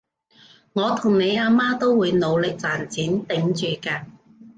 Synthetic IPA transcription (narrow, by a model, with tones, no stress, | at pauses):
ŋɔː˨˧t̪ʰʊ˨˩ŋne˨˧jaː˧maː˥t̪o˥wwuː˨˧jno˨˧wlɪ˨k̚t͡saː˨˩nt͡siː˨˥nt̪ɪ˨˧˥ŋt͡ʃyː˨kaː˧